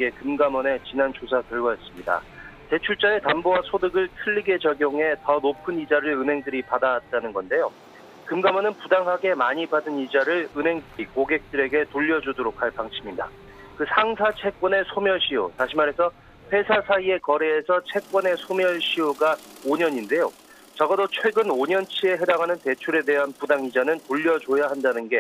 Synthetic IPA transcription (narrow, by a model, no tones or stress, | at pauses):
ɡe̞kɯmɡamʌne̞t͡ɕinant͡ɕosʰakjʌɭɡʌjʌs͈ɯmɲida̰ | te̞t͡ɕʰuɭt͡ɕ͈ae̞tambowasʰodɯɡɯɭtʰɯʎːiɡe̞t͡ɕʌɡjoŋɦe̞tʌnopʰɯnid͡ʑaɾɯɭɯnɦe̞ŋdɯɾipadat̚t͈anɯnɡʌnde̞jo | kɯmɡamwʌnɯnpudaŋɦaɡe̞maɲibadɯnid͡ʑaɾɯɭɯnɦe̞ŋdɯɾikoɡe̞k̚t͈ɯɾe̞ɡe̞toʎːʌd͡ʑudoɾok̚ʰhaɭpaŋɕʰiminda̰ | kɯsʰaŋsʰat͡ɕʰe̞k̚k͈ʌne̞sʰomjʌɭɕʰijo̰taɕʰimaɾɦe̞sʰʌ | ɸʰe̞sʰasʰaie̞kʌɾe̞ːsʰʌt͡ɕʰe̞k̚k͈wʌne̞sʰomjʌɭɕʰioɡa | oɲʌɲinde̞jo | t͡ɕʌɡʌdot͡ɕʰwe̞ɡɯnoɲʌnt͡ɕʰie̞ɦe̞daŋanɯnte̞t͡ɕʰuɾe̞de̞ɦanpudaŋid͡ʑanɯntoʎːʌd͡ʑojaɦandanɯnɡe̞